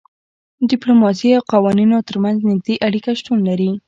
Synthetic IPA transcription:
ɖɪplomɑs̬iawqawɑninot̪əɾmanznɪɡ̚d̪eʔaɽikaʃʈunlaɾi

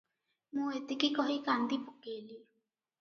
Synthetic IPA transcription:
muet̪ikikoɦikand̪ipokeli

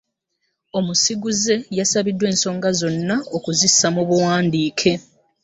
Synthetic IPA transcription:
o̞musiɡuze̞jasaβidːwe̞ːnso̞ːŋɡazo̞nːaokuzisːamuβuwaːndiːkʰe̞

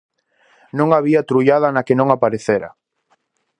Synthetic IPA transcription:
nõŋaβiat̪ɾujaðɐnakenõŋapaɾeθeɾɐ̰

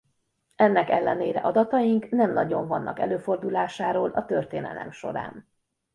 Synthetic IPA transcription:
ɛnːɛkɛlːɛneːɾɛ̰ʔɒd̪ɒt̪ɒjiŋknɛmnɒɟo̞ɱvɒnːʔɒkɛ̰løːford̪ulaːʃaːɾoːlʔɒt̪ø̞rt̪eːnɛ̰lɛ̰mʃo̞̰ɾa̰ːn

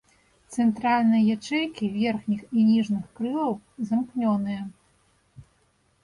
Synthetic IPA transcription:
t̪sɛnt̪ɾalʲnɨjɐjat͡ʂɛjkʲivʲɛrxnʲixinʲiʐnɨxkɾɨlˠɐwzɐmknʲɔnɨjɐ

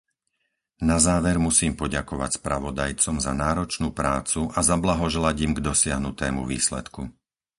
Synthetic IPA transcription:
nazaːʋɛɾmusiːmpɔɟakɔʋa̰cspɾaʋɔd̪ajt͡sɔmzanaːɾɔt͡ʃnuːpɾaːt͡suʔazablaɦɔʒɛlaɟimɡd̪ɔsɪaɦnut̪ɛːmṵʋḭːslɛ̰t̪ku

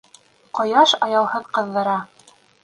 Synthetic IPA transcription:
qŏjɑʃɑjɑwˠhɤðqɤ̆ðːɤ̆ɾɑ

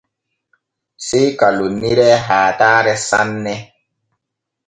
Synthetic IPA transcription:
sɛjkalunːiɾɛɦaːtaːɾɛsanːɛ

